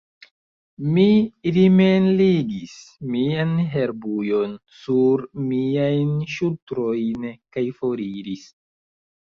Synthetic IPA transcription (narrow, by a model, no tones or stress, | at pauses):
miɾimenliɡismianɦeɾbujo̞nsuɾmiajnʃutɾojnkajfo̞ɾiɾis